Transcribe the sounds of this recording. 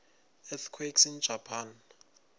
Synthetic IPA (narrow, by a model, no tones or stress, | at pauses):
ɛt̪ʰkʰweksin̥d͡ʒ̥ʱapʰan